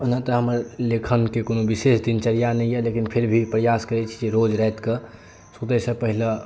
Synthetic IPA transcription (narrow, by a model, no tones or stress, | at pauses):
onat̪ɔɦəməɾlekʰənkekonobisesd̪int͡ʃəɾijanɛjjɛlekinpʰeɾbʱipɾəjaskəɾɛt͡ʃʰi̥d͡ʒeɾod͡ʒɾəjt̪ke | sut̪əsə̃pəɦile